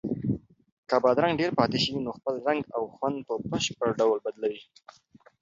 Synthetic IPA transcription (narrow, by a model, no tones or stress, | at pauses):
kabɑd̪ɾaŋɡɖeɾpɑt̪eʃəwinoxpəlɾaŋɡawxwand̪̚pəbəʃpəɽɖawlbad̪lawi